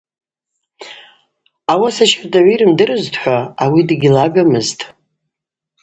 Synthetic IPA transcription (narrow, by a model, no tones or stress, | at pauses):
awasaʃardʼaʕʷiɾɨmdɨrɨztʰʼħʷaawidɡʲilaɡamɨztʼ